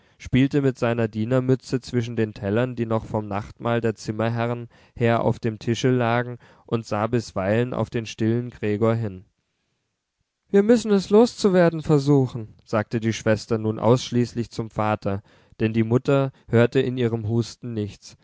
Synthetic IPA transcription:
ʃpiːltəmɪtz̥aɪnɐdiːnɐmʏt͡sət͡sv̥ɪʃ̬n̩deːntʰɛlɐndiːnɔχfɔmnaχtmaːldeːɐt͡sɪmɐɦɛʁən | heːɐʔa̰ʊfd̥eːmtʰɪʃəlaːɡŋ̩ | ʔʊntz̥aːbɪsv̥aɪlənʔa̰ʊfd̥eːnʃtɪlənɡʁeːɡoːɐɦɪn | viːɐmʏsn̩ɛsloːst͡suveːɐdn̩fɛɐzuːxn̩z̥aːk̚tədiːʃv̥ɛstɐnuːnʔa̰ʊsʃliːslɪçt͡sʊmfaːtʰɐ | d̥ɛndiːmʊtɐhøːɐtəɪniːʁ̞əmɦuːstn̩nɪçt͡s

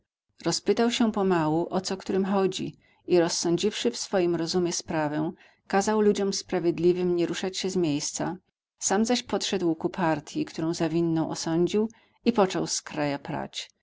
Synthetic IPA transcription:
ɾɔspɘt̪awɕɛpɔmawuʔɔt̪sɔkt̪uɾɘmxɔd͡ʑḭ | iɾɔsːɔ̃ɲd͡ʑifʂɘfsfɔjimɾɔzumʲjɛspɾavɛ̃ | kazawlud͡ʑɔmspɾavʲjɛd̪lʲivɘmɲɛɾuʂat͡ɕɕɛzmʲjejst̪sa | samzaɕpɔt̪ʂɛd̪wkupʰaɾt̪ʰʲjikt̪uɾɔ̃w̃zavʲinːɔ̃w̃ʔɔ̰sɔɲd͡ʑiw | ipɔt͡ʂɔwskɾajapɾa̰t͡ɕ

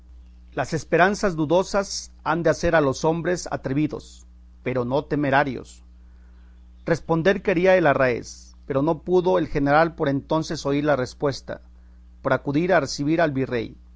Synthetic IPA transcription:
lase̞spe̞ɾansazd̪uðo̞sasand̪ease̞ɾalo̞so̞mbɾe̞sa̰t̪ɾeβiðo̞̰s | pe̞ɾo̞no̞t̪e̞me̞ɾaɾjo̞̰s | re̞spo̞nd̪e̞ɾke̞ɾiae̞larae̞̰s | pe̞ɾo̞no̞puðo̞e̞lxe̞ne̞ɾalpo̞ɾe̞nt̪o̞nse̞so̞iɾlare̞spwe̞st̪a̰ | po̞ɾakuðiɾare̞siβiɾalβire̞̰j

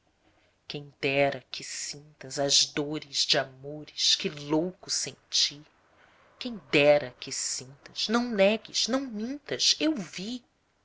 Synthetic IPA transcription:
kẽj̃d̪ɛɾɐkɪsĩnt̪ɐzɐzd̪oɾɪzd͡ʒɪamoɾɪʃkɪlowkʊsẽnt͡ʃi | kẽj̃d̪ɛɾɐkɪsĩnt̪ɐz̥nɐ̃w̃nɛɡɪz̥nɐ̃w̃mĩnt̪ɐzewvi

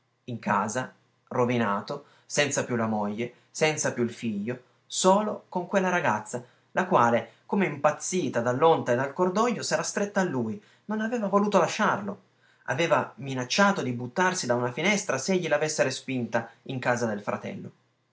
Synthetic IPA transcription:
iŋkʰaːza | rovinaːt̪o | sɛnt̪sapjulamoʎːe | sɛnt̪sapjuilfiʎːo | soːlokoŋkwelːaɾaɡat̪sːa | lʔakwaːlekomeimpat̪sːiːt̪ad̪alːont̪aed̪alkord̪ɔʎːosɛːɾast̪ɾet̪ːaːlːuːj | nonaveːvavoluːt̪olaʃːarlo | a̰veːvaminat͡ʃːaːt̪od̪ibut̪ːarsid̪aunafinɛst̪ɾaseʎːilavesːeɾespint̪aiŋkaːzad̪elfɾʔa̰t̪ɛ̰lːo̰

